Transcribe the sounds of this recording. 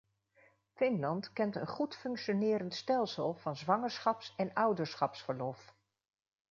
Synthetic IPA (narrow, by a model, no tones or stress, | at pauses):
fɪnlɑntkɛntənχutfɵŋkʃonɪːɾəntstɛlˠsəlˠv̥ɑnzʋɑŋəɹsχɑpsɛnʌwdəɹsχɑpsfəɹlɔf